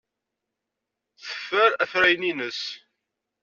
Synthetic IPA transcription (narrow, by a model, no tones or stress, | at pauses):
θə̥fːəɾæfɾæjninəs